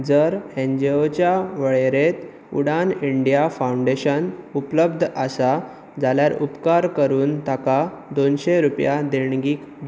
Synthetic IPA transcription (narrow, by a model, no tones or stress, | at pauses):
d͡zəɾẽɲd͡ʑeot͡ɕjaʋəɭeɾet̪ | ṵɽaniɳɖijafauɳɖeɕənupləb̚d̪ʱʔəsa | d͡zaljaɾupkaɾkəɾuːnt̪aka | d̪onɕeɾupjad̪eɽɡiːk